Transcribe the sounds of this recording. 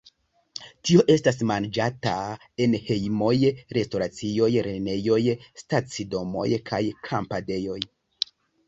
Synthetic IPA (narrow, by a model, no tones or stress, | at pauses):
tio̞ʔe̞stas̬mand͡ʒata | e̞nhe̞jmo̞jɾe̞sto̞ɾat͡sio̞jɾe̞ne̞jo̞jstat͡sido̞mo̞̰jkʰajkʰampade̞jo̞j